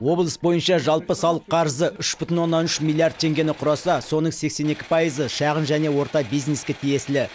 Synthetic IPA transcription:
wo̞blˠəsbo̞jənʃɑʒɑlˠpəsɑlˠəqʰːɑɾzəʔʏʃbʏt̪ʲɪnwo̞nːɑnʏʃmʲilˠijard̪̚t̪ʰe̞ŋɡʲe̞nɪqʰʊɾɑsɑso̞nəɴse̞kse̞ne̞kʲɪ̥pʰɑizəʃɑʁənʒæne̞wo̞ɾt̪ɑbijzne̞skʲe̞t̪ʰije̞sɪlɪ

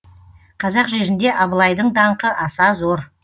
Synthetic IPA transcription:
qʰɑzɑqʒe̞ɾɪnd̪e̞ʔɑβəlˠɑjd̪əɴd̪ɑɴqəʔɑsɑzo̞ɾ

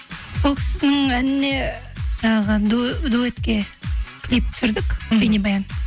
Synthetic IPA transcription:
so̞lˠkʲʰɪ̥sɪnɪŋænɪne̞ʒɑɴɑʁəd̪d̪uet̪kʲe̞kʲʰlijp̚t̪ʰsʏɾd̪ɪkʲbenibɑjɑn

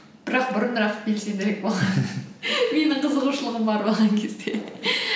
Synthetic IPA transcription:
b̥ɪɾɑq̚bʊɾənɾɑqbe̞lse̞nd̪eek̚bo̞lˠʁɑ | me̞nɪɴt̪ʰəzəʁuʃəlˠəʁəmbɑɾbo̞lˠʁɑŋkʲʰe̞zd̪e̞

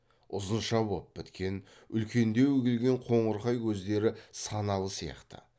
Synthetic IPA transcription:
ʊzənʃɑbop̚bɪt̪kʲe̞n | ʏlkʲe̞nd̪e̞wɵkʲɪlɡʲe̞ɴqʰo̞ɴəɾqɑjwʰɵzd̪e̞ɾɪsɑnɑlˠəsijɑ̰qt̪ə̰

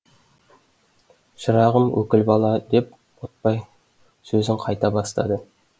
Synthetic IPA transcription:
ʃəɾɑʁəmwʔɵ̰kʲɪlbɑlˠɑd̪e̞p̚ | wot̪̚pɑj | sɵzɪɴqʰɑjt̪ɑbɑst̪ɑ̰d̪ə

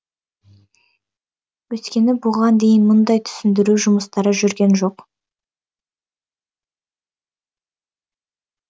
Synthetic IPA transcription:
wɵt̪kʲe̞nɪbʊʁɑnd̪e̞jɪnmʊnd̪ɑjt̪ʰʏ̥sɪnd̪ɪɾuʒʊməst̪ɑɾəʒʏɾɡʲe̞nʒo̞q

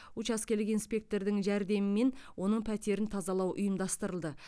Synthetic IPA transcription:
ut͡ʃɑskʲe̞lɪkinspʲe̞k̚t̪o̞ɾd̪ɪŋʒæɾd̪e̞mɪme̞nwo̞nəɴpʰæt̪e̞ɾɪnt̪ʰɑzɑlˠɑwʔʊ̰jəmd̪ɑst̪əɾəlˠd̪ə

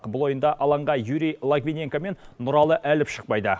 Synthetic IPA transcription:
qbʊlˠo̞jənd̪ɑʔɑlˠɑɴʁɑjuɾijlˠaɡvʲinʲe̞ŋkame̞nːʊɾɑlˠəʔælɪpʃə̥q̚pɑjd̪ə

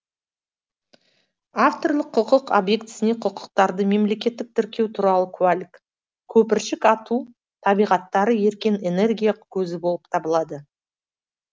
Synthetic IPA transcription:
aft̪o̞rlˠəqʰːʊqəqo̰bje̞kt̪ɪ̥sɪne̞qʰʊqə̥q̚t̪ɑɾd̪əme̞mle̞kʲe̞t̪ːɪk̚t̪ʰɪɾkʲe̞wt̪ʰuɾɑlˠəkʰualʲɪk | kʲʰɵpɪɾʃɪkɑt̪u | t̪ʰɑbijʁɑt̪ːɑɾəje̞ɾkʲene̞ne̞rɡʲijakʲʰɵzɪbo̞lˠəp̚t̪ʰɑbəlˠɑd̪ə

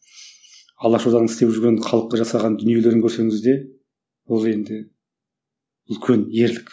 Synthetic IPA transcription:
ɑlˠɑʃud̪ɑnənɪst̪epʒʏɾɡʲe̞ɴχʰɑlˠəqːɑʒɑsɑʁɑnd̪ʏnije̞le̞ɾɪŋkʲʰɵɾse̞ŋɪzd̪e̞ | wolˠe̞nd̪ɪ | ʏlkʲʰe̞nje̞ɾlɪkʲ

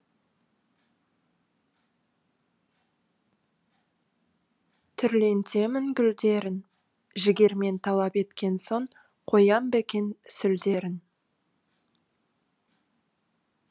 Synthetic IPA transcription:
t̪ʰʏɾle̞nt̪e̞mɪŋɡʲʏld̪e̞ɾɪn | ʒɪɡʲe̞ɾme̞nt̪ʰɑlˠɑpe̞t̪kʲe̞nso̞ɴ | qʰo̞jɑmbekʲe̞nsʏld̪e̞ɾɪn

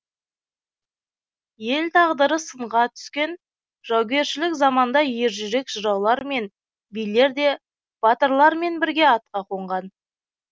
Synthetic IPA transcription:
je̞lt̪ʰɑʁd̪əɾəsəɴʁɑt̪ʰʏ̥skʲe̞n | ʒ̥ɑwɡʲe̞ɾʃɪlɪkzɑmɑnd̪ɑje̞ɾʒʏɾe̞kʒ̥əɾɑwlˠɑɾme̞n | bijle̞ɾd̪e̞ | b̥ɑt̪əɾlˠɑɾme̞nbɪɾɡʲe̞ɑt̪̚qɑqʰo̞ɴʁɑn

